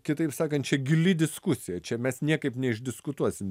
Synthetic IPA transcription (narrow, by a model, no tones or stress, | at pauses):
kʲɪt̪ɐɪpsɑːkɐnt̪̚t͡ʃʲɛɡʲɪlʲɪd̪ʲɪskʊsʲɪjɛt͡ʃʲɛmʲɛsnʲiɛkɐɪpnʲɛɪʒʲdʲɪskʊt̪uɔsʲɪm